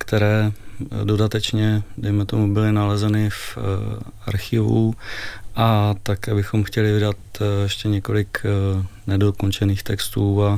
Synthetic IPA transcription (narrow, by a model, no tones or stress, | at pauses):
kt̪ɛɾɛːdo̞dat̪ɛt͡ʃɲɛdɛjmɛt̪o̞mubɪlɪnalɛzɛnɪf | a̰ɾxɪvṵ | ʔat̪akɛːbɪxo̞mxcɛlɪvɪdat̪jɛʃcɛɲɛko̞lɪk | nɛdokont͡ʃɛniːxt̪ɛkst̪uːa